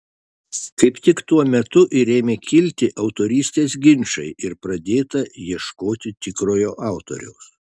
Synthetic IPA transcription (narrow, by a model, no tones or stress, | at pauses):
kɐɪpt̪ʲɪkt̪uɔmʲɛt̪ʊʔɪɾʲeːmʲeːkʲɪlʲt̪ʲɪʔɐʊt̪oːɾʲiːsʲt̪ʲeːsɡʲɪnʲʃɐɪʔɪɾpɾɐd̪ʲeːt̪ɐjiɛʃkoːt̪ʲɪt̪ʲɪkɾoːjoːʔɑˑʊt̪o̰ɾʲɛ̰ʊs